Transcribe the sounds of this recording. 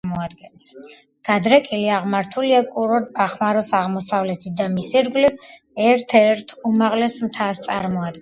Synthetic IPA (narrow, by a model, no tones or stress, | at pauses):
mɔad̪̚ɡɛns | ɡ̥ad̪ɾɛkʼiliaʁmaɾt̪ʰuliakʼuɾɔd̪̚aχmaɾɔsaʁmɔsavlɛt̪ʰit̚d̪amisiɾɡli | ɛɾt̪ʰɛɾt̪ʰumaʁlɛsmt̪ʰast̪sʼaɾmɔad̪ɡ